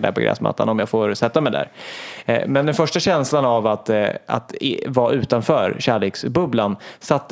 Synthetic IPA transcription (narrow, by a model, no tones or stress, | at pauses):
ɖ̪æ̰ɾpɔɡɾɛ̰ːsma̰t̪ːa̰nɔmjaːɡfoːɾsɛt̪ːamɛjd̪æ̰ːɾ | mɛnd̪ɛnfœʂʈaɕɛnslanavat̪a̰t̪vɑʔʉ̟ːt̪anfœːɾɕæːɭeːksbɵblansat̪ː